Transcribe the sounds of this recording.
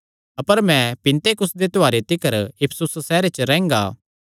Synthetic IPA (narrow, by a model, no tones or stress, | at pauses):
ɐpəɾmɛ̃pɪ̃nt̪ekʊsd̪et̪oaːɾet̪ɪkəɾɪpʰsʊssɛːɾet͡ʃɾɛ̃ːŋ̆ɡa̰ː